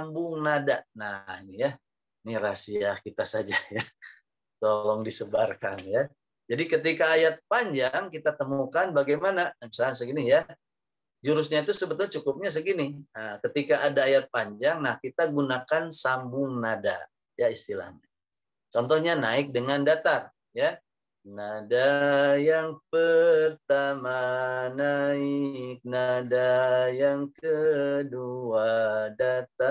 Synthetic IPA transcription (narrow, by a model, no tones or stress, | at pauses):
ambʊŋnadanahnija | nirasiahkit̪asad͡ʒaja | t̪olɔŋdisəbarkanja | d͡ʒadikət̪ikaːjat̪̚paɲd͡ʒaŋkit̪at̪əmukanbaɡajmanajaŋsas̬əɡinija | d͡ʒuɾʊsɲait̪usəbət̪ʊlt͡ʃukʊp̚ɲas̬əɡiniəkət̪ikaʔːdaːjat̪̚paɲd͡ʒaŋnahkit̪aɡunakansambʊŋnada̰ | jaist̪ila̰hɲa | t͡ʃɔnt̪ɔhɲanaɪk̚dəŋandat̪ar | ja | nadajaŋpərt̪amanaɪk̚nadajaŋkəduadat̪a